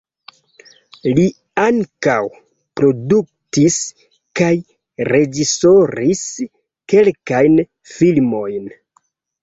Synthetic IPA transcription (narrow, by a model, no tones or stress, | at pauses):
li | aŋkaw | pɾo̞duk̚tis | kaj | ɾe̞d͡ʒiso̞ɾis | ke̞lkajn | filmo̞jn